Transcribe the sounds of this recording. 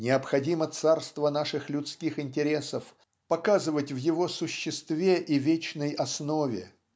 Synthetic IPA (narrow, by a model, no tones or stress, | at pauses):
nʲɪəpxɐdʲimət̪sarst̪vənaʂɨxlʲʊt̪skʲixɪnʲtʲɪɾʲe̞səf | pɐkazɨvətʲvjɪvo̞sʊɕːɪst̪vʲeʔivʲet͡ɕnəjɐsnovʲɪ